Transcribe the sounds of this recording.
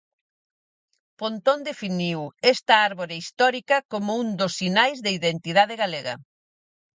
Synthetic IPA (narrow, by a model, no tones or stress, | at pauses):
pont̪ond̪efiniwest̪ɐaɾβoɾeist̪ɔɾikɐkomound̪osːinajzðɐiðent̪iðað̞eɣaleɣɐ̰